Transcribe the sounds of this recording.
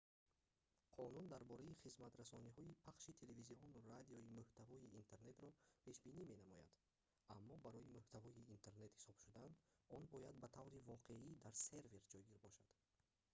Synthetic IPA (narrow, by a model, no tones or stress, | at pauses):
qʰɔnund̪aɾbɔɾaiχizmat̪ɾasɔniɦɔipʰaχʃit̪ʰe̞le̞viziɔnurad̪iɔimʉht̪ʰavɔiːnt̪ʰe̞ɾne̞t̪ɾɔpʰe̞ʃbinime̞namɔja̰d̪ | amːɔbaɾɔimʉht̪ʰavɔiːnt̪ʰe̞ɾne̞t̪hi̥sɔb̥ʃud̪anɔnbɔjad̪̚bat̪ʰavɾivɔqʰe̞id̪aɾse̞ɾve̞ɾd͡ʒɔjɡiɾbɔʃad̪̥